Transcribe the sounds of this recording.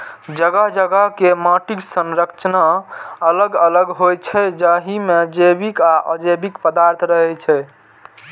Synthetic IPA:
d͡ʒəɡəɦd͡ʒəɡəɦkemaʈiksənɾəkt͡ʃnaələɡələɡɦojt͡ʃʰɛd͡ʒaɦimed͡ʒebikaʔə̰d͡ʒebikpəd̪aɾt̪ʰɾəɦɛt͡ʃʰɛ

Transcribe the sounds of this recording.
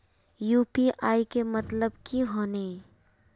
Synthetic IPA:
juːpiʔaːikemɐt̪ləbkiɦoːneː

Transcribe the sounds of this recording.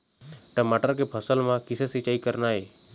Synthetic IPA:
ʈəmaʈəɾkepʰəsəlmãkɪsesit͡ʃaːikəɾnaːɦeː

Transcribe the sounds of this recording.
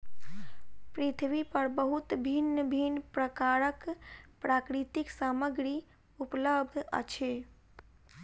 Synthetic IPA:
pɾit̪ʰʋipəɾbəɦut̪bʱinːəbʱinpɾəkaɾəkpɾʔaːkɾit̪iksaməɡɾi | upləb̚d̪ʱə̰t͡ʃʰe

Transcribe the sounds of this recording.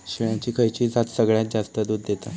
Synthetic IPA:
ɕiɭjãt͡ɕiːkʰəjt͡ɕiːd͡zat̪səɡɭjat̪̚d͡ʑast̪əd̪uːd̪ːet̪a

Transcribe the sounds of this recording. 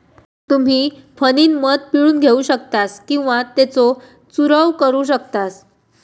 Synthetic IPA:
t̪um̤iːfəniːnməd̪̚piɭuːnɡʱeuɕək̚t̪askĩw̃ʋat̪et͡so | t͡suɾəʋkəɾuːɕ̬əkt̪as

